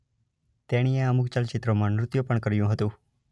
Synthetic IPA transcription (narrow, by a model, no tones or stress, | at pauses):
t̪eɽ̃iẽəmukt͡ʃalt͡ʃɪt̪ɾomãnɾʊt̪jupəɳkəɾjũɦət̪ũ